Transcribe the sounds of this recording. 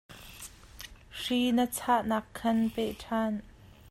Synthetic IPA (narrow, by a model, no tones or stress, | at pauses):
ʂinət͡sʰaʔnaːkʰːɐnpɛʔʈʰaːn